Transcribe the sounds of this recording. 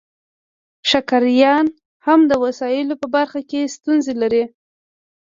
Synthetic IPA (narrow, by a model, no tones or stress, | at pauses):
ʃakaɾjɑn | hamd̪əwasɑjɪlopəbaɾxakest̪unzelaɾi